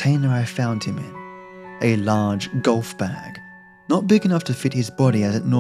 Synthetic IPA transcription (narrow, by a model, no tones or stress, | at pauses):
tʰẽɪ̃nə˞aɪfãʊ̃nd̚ɨ̃mɪ̰̃nʔɨlɑɹd͡ʒɡʌlˠfb̥æɡ̥ | nət̚b̥ɪɡɨnʌftʰɨfɪt̚hɨzbɑɾiɨzɨtⁿnɔ